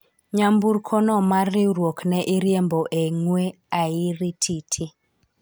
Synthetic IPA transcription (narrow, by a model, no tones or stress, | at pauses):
ɲamburkʰɔnɔmarirwoknɛʔiɾjembɔʔeŋwe | aiɾitʰitʰi